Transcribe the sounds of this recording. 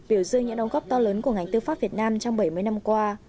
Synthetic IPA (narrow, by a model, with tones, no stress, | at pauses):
ɓi˧˩əwzɨ˧əŋɲɨ̰˧˥ŋɗə˨˦wŋɣɔ˦˥p̚t̪ɔ˧ləː˨˦nku˧˩əŋa˨˩jŋ̟t̪ɨ˧faː˦˥p̚vi˨˩ət̚naː˧mt͡ɕɔ˧ŋ͡mɓə˧˩jmɨ˧əjna˧mkwaː˧